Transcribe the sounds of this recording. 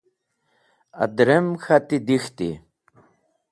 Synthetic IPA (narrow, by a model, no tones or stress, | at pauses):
a̰d̪ɾemxat̪id̪ixt̪ḭ